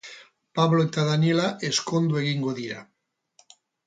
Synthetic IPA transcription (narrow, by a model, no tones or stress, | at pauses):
paβloet̪aðanjelaʔeskond̪weɣiŋɡoðiɾa